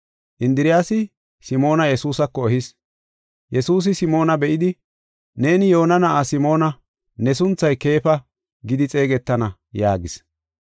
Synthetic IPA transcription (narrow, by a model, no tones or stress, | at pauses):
ʔɪnd̪ɪɾɪjaːsɪ | sɪmo̞ːnɐjɛsuːsɐkːɔɔhɪs | jɛsuːs̬ɪsɪmo̞ːnɐbɛʔɪd̪ɪ | ne̞ːnɪjo̞ːnɐnɐʔasɪmo̞ːnɐ | nɛs̬ʊnt͡sːɐjke̞ːfɐ | ɡɪd̪ɪt͡sʼe̞ːɡɛt̪ːɐnɐ | jaːɡɪs